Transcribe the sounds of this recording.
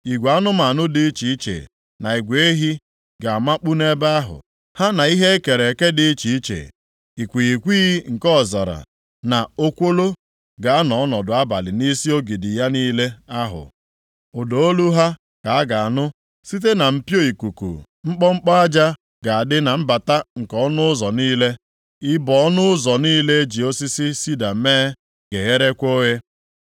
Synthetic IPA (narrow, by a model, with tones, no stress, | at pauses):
i˨ɡʷa˦nʊ˦ma˨a˨nʊ˦dɪ˨i˦t͡ʃi˨i˦t͡ʃḛ˨ | na˨i˨ɡʷe˦ɦi˦ | ɡa˨a˨ma˦k͡pu˦ne˦ba˦a˦ɦʊ̰˨ | ha˦na˨i˦ɦe˦ke˨ɾe˨ke˦dɪ˦t͡ʃi˨i˦t͡ʃḛ˨ | i˨kʷi˨i˨kʷiː˦ŋ̩˨kɔ˦˨zɔ˨ɾa̰˨ | na˨o˦kʷo˦lo˦ | ɡa˨a˦nɔ˨˦nɔ˨dʊ˨a˦ba̰˨lɪ˨ni˦si˦o˦ɡi˨di˨ja˦niː˦le˦a˦ɦʊ̰˨ | ʊ˨do˨o˦lu˦ɦa˦ | ka˨a˦ɡa˨a˨nʊ˦ | si˦t̬e˦na˨m̩˨pjo˦i˨ku˨kṵ˨ | ŋ͡m̩˦k͡pɔ˦ŋ͡m̩˦k͡pɔ˦a˦d͡ʒa˦ | ɡa˨a˨dɪ˦na˨m̩˦ba˨ta˦ŋ̩˨kɔ˦nʊ˦zɔ˨niː˦le˦ | ɪ˦bɔ˨˦nʊ˦ʊ˦zɔ˨niː˦le˦d͡ʒi˨o˦si˦si˦si˦da˨˦meː˦ | ɡ̥e˨ɣe˦ɾe˦kʷo˦ɣe˦